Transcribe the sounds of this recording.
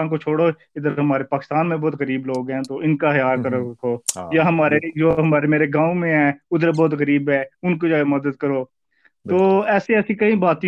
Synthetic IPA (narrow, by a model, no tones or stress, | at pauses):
nkot͡ʃʰoːɽoː | ɪd̪əɾɦəmaːɾepaːkɪst̪aːnmẽbɔːt̪ɣəɾiːbloːɡɦɛ̃ːt̪oːɪnkaɦjaːlkəɾkʰoːjaɦɐmaːɾed͡ʒoːɦɐmaːɾemeːɾeɡãːũmẽɦɛːʊd̪əɾbɔːt̪ɣəɾiːbɦɛːʊnkod͡ʒaːɡemɐd̪əd̪̚kəɾoː | t̪oːɛːseɛːsikɐĩbaːt̪